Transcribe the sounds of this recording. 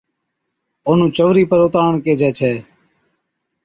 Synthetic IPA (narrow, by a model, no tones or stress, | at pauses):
oːn̤ũːt͡ʃəʋɾiːpəɾʊːt̪aːɳkeːd͡ʒʱɛːt͡ʃʰɛː